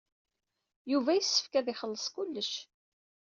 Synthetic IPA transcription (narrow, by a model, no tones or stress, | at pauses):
juvæjisːə̥fkæðɪχəlːəsˤkulːəʃ